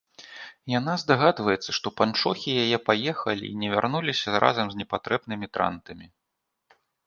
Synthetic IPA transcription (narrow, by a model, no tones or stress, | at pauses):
janazd̪aɣad̪vɐjɛt̪sːɐʂt̪ɔpant͡ʂɔxʲijajɛpajɛxɐlʲḭːnʲɛvʲarnulʲisʲɐɾa̰zɐmzʲnʲɛpat̪ɾɛbnɨmʲit̪ɾa̰nt̪ɐmʲi